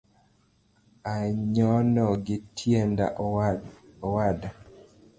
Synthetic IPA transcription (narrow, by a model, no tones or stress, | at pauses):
aɲɔnɔɡɪtʰjenda̰ʔ | ɔwada